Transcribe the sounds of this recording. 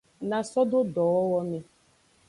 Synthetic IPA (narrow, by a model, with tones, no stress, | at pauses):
na˨sɔ˦dʊ˦dɔ˨ɔ˦wɔ˦me˨